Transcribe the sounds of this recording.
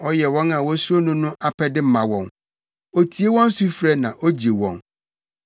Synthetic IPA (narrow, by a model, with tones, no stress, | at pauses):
ɔ˦jɛ˨wɔ̃˦na˨wɔ̃˦su˦ɾo˦nʊ̃˦nʊ̃˦ʔa˨pʰɛ˦dɪ˦m̩˦mã˨wɔ̰̃˨n | o˨tʰi˨e˦wɔ̃˦n̩˦su˦fɾɛ˦nã˨ʔo˦d͡ʑe˨wɔ̰̃˨n